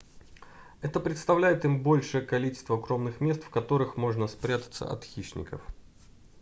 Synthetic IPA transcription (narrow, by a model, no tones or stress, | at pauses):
ɛt̪əpɾʲɪt̪st̪ɐvlʲæjɪt̪imbo̞lʲʂɨjəkɐlʲit͡ɕɪ̥st̪vəɡɾo̞mnɨxmʲe̞st̪fkɐt̪o̞ɾɨxmo̞ʐnəspɾʲat̪ə̥t̪sə̰ʔɐ̰t̪xʲiʂnʲɪ̰kə̰f